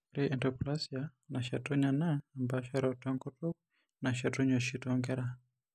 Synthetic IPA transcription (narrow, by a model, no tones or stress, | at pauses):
ɾiʔɛndɔplasianaʃatuɲanaːmbaʃaɾɔtɔŋkɔtɔk | naʃatuɲɔʃitɔŋɡɛɾa